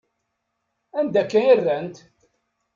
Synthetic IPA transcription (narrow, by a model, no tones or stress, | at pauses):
ænd̪ækːæniɾðænt̪